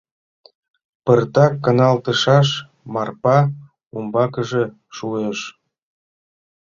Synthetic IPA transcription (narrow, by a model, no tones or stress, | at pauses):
pərt̪ɑkːənɑlt̪əʃɑʃ | mɑrpɑ | umbɑkəʒe | ʃueʃ